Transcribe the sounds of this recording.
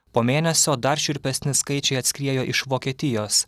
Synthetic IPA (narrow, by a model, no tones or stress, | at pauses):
poːmʲeːnʲɛsʲoːd̪ɐɾʃʲɪɾʲpʲɛsʲnʲɪskɐɪt͡ʃʲɛɪɐt̪ʲsʲkʲɾʲiɛjoːʔɪʃʋoːkʲiɛt̪ʲɪjoːs